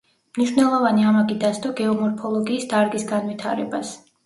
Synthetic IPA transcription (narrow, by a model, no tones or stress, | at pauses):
mniʃnɛlˠɔvaniamaɡid̪asd̪ɔɡɛɔmɔɾpʰɔlˠɔɡiːsd̪aɾɡisɡanvit̪ʰa̰ɾɛbas